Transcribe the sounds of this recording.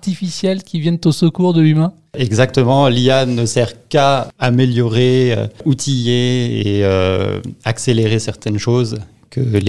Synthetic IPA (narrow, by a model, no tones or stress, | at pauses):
aʁt̪ifisjɛlkʲivjɛ̃nt̪osəkuʁd̪əlymɛ̃ | ɛɡzakt̪əmɑ̃lianəsɛʁkaameljɔʁeø̰ut̪ʰijeḛø̰ | akseleʁesɛʁt̪ɛnʃoz | kʰəle